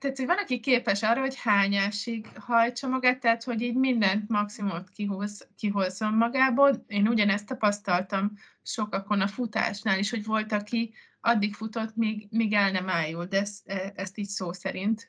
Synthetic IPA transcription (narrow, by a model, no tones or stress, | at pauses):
t̪ɛat̪ho̞ɟvɒnɒkikeːpɛʃɒːrːɒɦo̞chaːɲaʃiɡhɒjt͡ʃɒmɒɡaːt̪ːɛɦːt̪ho̞ɟiːɟmind̪ɛnt̪mɒksimumt̪kiɦuzkiɦo̞zːo̞mːɒɡaːboːleːnuɟɒnɛst̪ːɒpɒst̪ɒlt̪ɒm | ʃo̞kɒko̞nɒfut̪a̰ːʃnaːliʃho̞ɟvo̞lt̪ɒki | ɒd̪ːikfut̪o̞t̪miːɡmiːɡɛlnɛmaːjːuld̪ɛsɛɛst̪iːɟsoːsɛɾint̪